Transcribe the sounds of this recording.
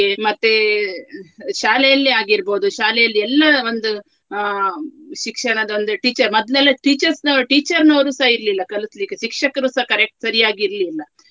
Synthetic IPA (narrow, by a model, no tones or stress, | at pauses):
emɐt̪ːe | ʃaːlɛjɐlːiaːɡiɾbo̞ːd̪uʃaːlɛjɐlːiɛlːɐo̞nd̪u | ʃikʂɐɳɐd̪ɐond̪uʈiːt͡ʃɐɾmɔd̪lɛlːɐʈiːt͡ʃɐɾsnɐʈiːt͡ʃɐɾnoːɾusɐiɾlilːɐkɐluslikeʃikʂɐkɐɾusɐkɐɾek̚ʈsɐɾijaːɡiɾlilːɐ